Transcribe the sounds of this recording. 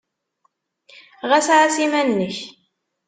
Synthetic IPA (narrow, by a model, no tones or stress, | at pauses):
ʁæsʕasimænːəç